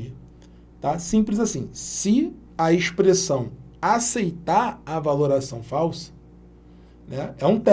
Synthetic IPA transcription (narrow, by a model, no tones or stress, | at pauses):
iɐ | t̪asĩplɪzasĩsɪ | ɐeʃpɾesɐ̃w̃ | asejt̪aɾavaloɾasɐ̃w̃fawsɐ̥ | nɛɛũt̪ɛ